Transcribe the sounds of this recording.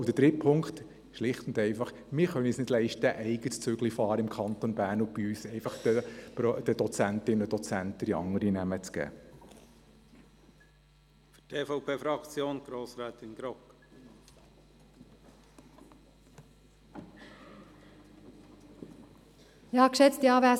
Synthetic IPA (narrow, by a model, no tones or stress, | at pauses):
wd̥̪əd̥ɾɪpʰʊŋkt̪ | ʃlɪχt̪ʊndɛɪfɑχ | mɪːɾχœnisnɪd̥lɛɪʃtəʔɛɪɡət͡sʏɡlifɑːɾəɪmkʰχɑnt̪onbæːɾnʊbiyːsɛɪfɑχəd̥əd̥̪ɔt͡sænt̪ɪnədɔt͡sænt̪ːəɾiɑ̰ŋəɾinæmət͡sɡ̥æ̰ː | fy̥tʰeːfɔʊpʰeːfɾɑkt͡sjoːnɡ̥ɾoːsɾɛːt̪ɪnɡɾɔk | jɑːkʃɛt͡st̪jɑːʋæː